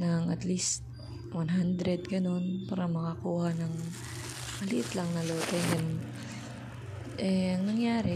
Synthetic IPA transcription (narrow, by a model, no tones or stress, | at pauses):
nɐŋʔɐt̪list̪̚ | wɐnɦand̪ɾɛd̪̚ɡɐno̞npaːɾɐmɐkɐkuːhɐnɐŋ | mɐlɪʔɪt̪lɐŋnɐloːt̪ɛjɛn | ʔɛɐŋnɐŋjaːɾɛ